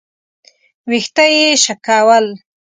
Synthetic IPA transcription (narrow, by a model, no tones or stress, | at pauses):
wixt̪ajeʃakawal